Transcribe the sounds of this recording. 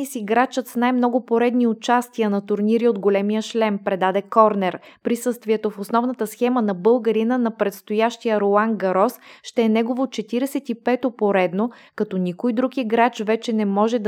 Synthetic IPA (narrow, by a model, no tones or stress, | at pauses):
isiɡɾat͡ʃət̪snajmnɔɡʊpoɾɛd̪niʊt͡ʃast̪ijənɐt̪ʊɾniɾiod̪ɡolɛmijəʃlɛmpɾɛd̪ad̪ɛkɔɾnɛɾpɾisɤst̪viɛt̪ofosnɔvnət̪əsxɛmənɐbɤlˠɡəɾinənɐpɾɛt̪st̪ojaʃt̪ijəɾoaŋɡɐɾɔsʃt̪ɛɛnɛɡovot͡ʃɛt̪iɾɛsɛt̪ipɛt̪opoɾɛd̪no | kɐt̪ɔnikojd̪ɾukiɡɾat͡ʃvɛt͡ʃɛnɛmɔʒɛd̪